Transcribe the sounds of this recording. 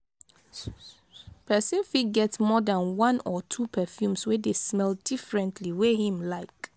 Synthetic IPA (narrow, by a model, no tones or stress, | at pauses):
pʰɛsĩnfit̚ɡɛtsmɔdãnwãnɔtʰupʰɛfjũmswɛdesmɛldifɹɛ̃ntʰliwɛhĩmlaɪk